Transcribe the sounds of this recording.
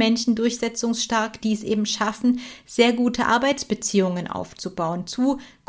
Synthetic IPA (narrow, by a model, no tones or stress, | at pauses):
ɛnʃn̩dʊɐçz̥ɛt͡sʊŋsʃtaɐkd̥iːɛsʔḛːbm̩ʃafn̩z̥eːɐɡuːtʰəʔa̰ɐbaɪt͡sb̥ət͡siːʊŋənʔa̰ʊft͡subaʊənt͡suːɡ̥